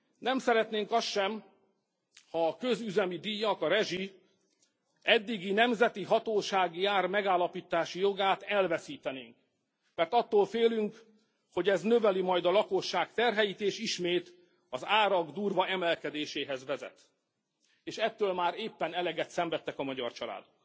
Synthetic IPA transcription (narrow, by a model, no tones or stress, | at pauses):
nɛmsɛɾɛt̪neːŋkɒst̪ʃɛm | hɒːkø̞zyzɛmid̪ijːɒkɒɾɛʒi | ɛd̪ːiɡinɛmzɛt̪iɦɒt̪oːʃaːɡiaːrmɛɡaːlːɒpiːt̪aːʃijo̞ɡaːt̪ɛlvɛsiːt̪ɛneːŋk | mɛrt̪ɒt̪ːoːlfeːlyŋk | ho̞ɟɛznø̞vɛlimɒjd̪ɒlɒko̞ʃːaːkt̪ɛrɦɛjit̪eːʃiʃmeːt̪ | ɒzaːɾɒɡd̪uːrvɒɛmɛlkɛd̪eːʃeːɦɛzʋɛzɛ̰t̪ | eːʃɛt̪ːøːlmaːɾeːpːɛnɛlɛɡɛt̪sɛɱvɛt̪ːɛkɒmɒɟɒ̰rt͡ʃɒla̰ːd̪ok̚